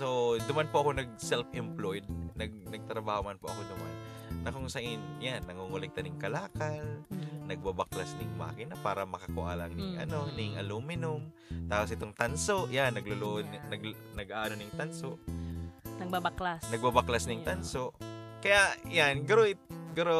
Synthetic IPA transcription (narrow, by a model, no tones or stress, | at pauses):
so̞d̪ʊmanpʊʔɐko̞nɐɡ̚sɛlfɪmplojd̪̚nɐɡ̚nɐɡ̚t̪ɾɐbaːhomanpoʔɐkod̪ʊma̰nː | ɐkʊŋsɐʔinjanːɐŋuŋʊlɛɡ̚t̪ɐnɪŋkɐlaːkɐlnɐɡ̚babɐklasnɪŋmɐa̰ːkɪnːɐpaːɾɐmɐkɐkʊʔa̰ːlɐŋnɪŋʔɐ̰no̞nɪŋʔɐ̰lumɪnʊm | t̪aːposʔɪt̪oŋt̪ɐnsoʔjanːɐɡlʊloʔd̪ɐɡnɐɡʔaːʔnonɪŋt̪ansoʔ | nɡbabalasnɐɡbabaklasnɪŋt̪anso̞ʔkɐjaʔjanɡɐɾoɪt̪̚ɡʊɾo